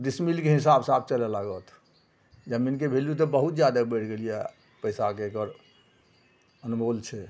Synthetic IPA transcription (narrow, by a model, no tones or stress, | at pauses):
d̪ismilkeɦisabsabt͡ʃəlelaɡət̪ʰ | d͡ʒəminkebʱeljut̪̬ɔbəɦut̪̚d͡ʒjad̪abəʈʰɡelije | pəjsakekəɾ | ənmolt͡ʃʰɛ